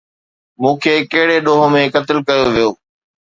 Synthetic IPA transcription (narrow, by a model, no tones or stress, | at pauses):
mũːkʰeːkɐɦɪɽeɗoːɦõmẽkɐt̪ɪlkɐjoʋijoː